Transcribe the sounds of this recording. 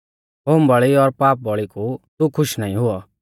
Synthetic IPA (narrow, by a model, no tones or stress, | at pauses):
ɦoːmbɔɭiɔɾpaːp̚bɔɭikut̪ukʰʊʃnaːĩɦʊɔ